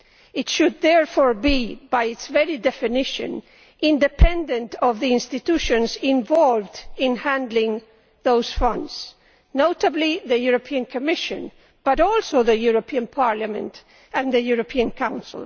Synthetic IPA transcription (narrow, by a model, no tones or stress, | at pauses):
ɪtʃɨd̪̚ðɛɹfɔɹbibajɨtsvɛɹidɛfɪnɪʃɨ̰̃n | ɪ̃ndɨpʰɛ̃ndɨ̃ntʌvðiɪ̃nstɨt̪uʃɨ̃nzɪ̃ɱvɔlvdɪ̃nhæ̃ndlɪ̃ŋ | ðoʊz̥fʌ̃ndz̥ | noʊtəbliðɨjuɹopʰiɨ̃nkʰɔmɪʃɨ̰̃n | b̥ʌɾɔlˠsoʊðɨjuɹopʰiɨ̃npʰɑɹlamɨ̰̃nt | ɨ̃nðɨjuɹopʰiɨ̃nkʰãʊ̃nsɪl̩ˠ